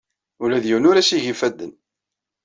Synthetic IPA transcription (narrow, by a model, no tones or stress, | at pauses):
ulæðjiwnʊɾæsiʝifæd̪ːə̰n